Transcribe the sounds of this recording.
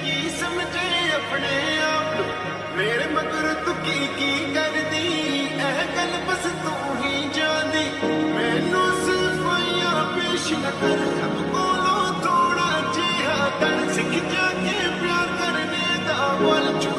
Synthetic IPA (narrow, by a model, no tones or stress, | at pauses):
ki | sɐmd͡ʒaeɐpɳeːaːp | meːɽemɐɡəɾt̪ʊkikiːkɐɾd̪iɛːkɐlpɐst̪õ | ɦĩd͡ʒãːnd̪iːmeːnũsɪkoːijãːpeːʃnɐkəɾsʰɐmkoːlot̪ʰoːɽ̃aːd͡ʒeːɦat̪ɐnsɪkʰɪd͡ʒaːkeepjaːkɐɾne | d̪aːʋɐlt͡ʃ